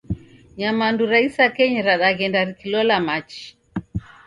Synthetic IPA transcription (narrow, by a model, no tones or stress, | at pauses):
ɲamanduɾaisakɛɲɛɾaɗaɣɛndaɾikilɔlamat͡ʃi̥